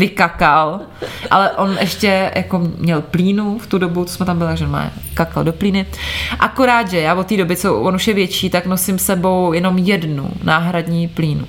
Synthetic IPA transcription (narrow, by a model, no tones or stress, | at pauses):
vɪkakal | ʔalɛʔo̞nʔɛʃcɛjʔakoɲɛlpliːnuft̪udo̞but̪osmɛt̪ambɪlɪt̪aʒɛonma̰ː | kaka̰ldo̞pliːnɪʔako̞ɾaːt̪ʒɛjaːvot̪ːiːdo̞bɪt͡sovonuʃjɛvjɛt͡ʃiːt̪aknosɪmsɛbo̞wjɛno̞mjɛdnṵnaːɦɾadɲiːpliːnṵ